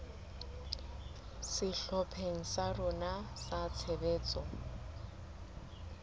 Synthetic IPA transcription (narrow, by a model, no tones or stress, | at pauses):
sɪɬɔpʰeŋ̩sarʊnasat͡sʰebeːt͡sɔ